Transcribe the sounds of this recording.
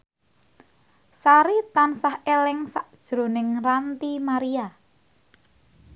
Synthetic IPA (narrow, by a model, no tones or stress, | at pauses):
saɾit̪ansahelɪŋsaʔd̥ʒ̥ɾo̤nɪŋrant̪imaɾia